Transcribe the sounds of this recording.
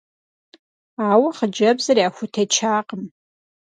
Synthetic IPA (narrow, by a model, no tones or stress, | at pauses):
awaχəd͡ʒɐbzariaxʷʊtʰet͡ʃʰaːqʼəm